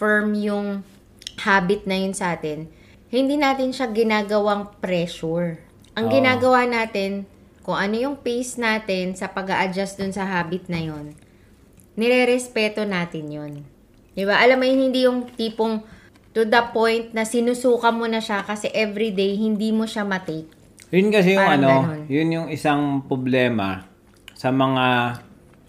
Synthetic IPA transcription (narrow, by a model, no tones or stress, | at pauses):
fɛɹmjʊŋ | haːbɪt̪̚nɐjonsɐʔaːt̪ɪn | hɪnd̪iːnaːt̪ɪnʃaɡɪnaːɡɐwaŋpɾɛʃuɹ | ʔɐŋɡɪnaːɡɐwanaːt̪ɪn | kʊŋʔɐno̞jʊŋpejsnaːt̪ɪnsɐpɐɡaʔɐd͡ʒasd̪ʊnsɐɦaːbɪt̪̚nɐjo̞nː | ɛɾɛɾɛspɛːt̪o̞naːt̪ɪnjon | d̪ɪbaʔɐlamɐjʊnhɪnd̪ijʊŋt̪iːpoŋ | t̪ud̪ɐpo̞jnt̪̚nɐsɪnusuːkɐmonɐʃakɐsɛʔɛvɾid̪ejhɪnd̪iːmo̞ʃamɐt̪ejk̚ | jʊnkɐsɛjʊŋɐno̞onjʊnjʊŋɪsaŋpɾoblɛːmɐ̰ | sɐmɐŋa